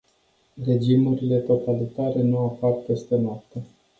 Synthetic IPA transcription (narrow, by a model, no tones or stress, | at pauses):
re̞d͡ʒimuɾile̞t̪o̞t̪alit̪aɾe̞nuapart̪est̪enat̪e